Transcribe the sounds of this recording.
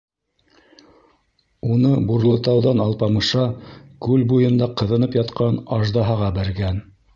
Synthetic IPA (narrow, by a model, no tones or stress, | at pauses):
unɤbuɾlˠɤ̆t̪ɑwðɑnɑlˠpɑmɤ̆ʃɑkʉlbujɤ̆nd̪ɑqɤ̆ðɤ̆nɤpjɑt̪qɑnɑʒd̪ɑɦɑʁɑbæɾɡæn